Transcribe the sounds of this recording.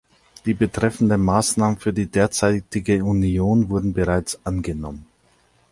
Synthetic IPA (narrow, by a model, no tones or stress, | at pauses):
d̥iːbətʁ̥ɛfn̩dəmaːsnaːmənfyːɐdiːdeːɐt͡saɪtɪɡəunjoːnvʊɐdn̩bəʁaɪt͡sʔanɡənɔ̰mən